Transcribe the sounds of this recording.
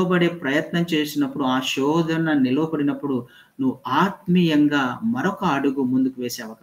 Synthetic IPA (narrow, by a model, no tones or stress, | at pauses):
ɐbɐɽe̞ːpɾɐjɐt̪nɐmt͡ʃe̞ːsinɐpːuɽuaːʃɔːd̪ʱɐnɐnilɐʋɐbɐɽinɐpːuɽu | nuʋuaːt̪̚mijɐŋɡaːmɐɾɔkɐːɽuɡumund̪ukuʋeːseːɐʋɐkɐ